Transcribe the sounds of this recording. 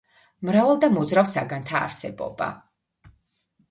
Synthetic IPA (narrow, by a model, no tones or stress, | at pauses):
mɾavalˠd̪amɔd̪zɾafsaɡant̪ʰa̰ːɾsɛbɔ̰ba̰